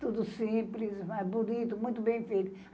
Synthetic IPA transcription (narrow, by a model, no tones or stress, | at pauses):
t̪ud̪ʊsĩplismabunit̪ʊmũj̃t̪ʊbẽj̃fejt̪ʊ